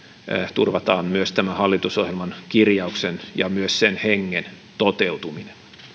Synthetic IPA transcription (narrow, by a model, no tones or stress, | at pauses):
t̪urʋɑt̪ɑːmmyøst̪æmæhɑlːit̪usohjelmɑnkirjɑuksenjɑmyøssenheŋːen | t̪ot̪eut̪uminen